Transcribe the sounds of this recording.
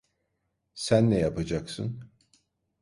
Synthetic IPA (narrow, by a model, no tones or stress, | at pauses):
sænːɛjapʰad͡ʒaksɯn